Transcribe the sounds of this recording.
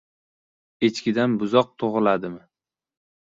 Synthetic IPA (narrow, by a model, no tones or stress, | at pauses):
et͡ʃkʲɪd̪anbʊzɒq̚t̪ʰoʁɨlad̪ɪmɪ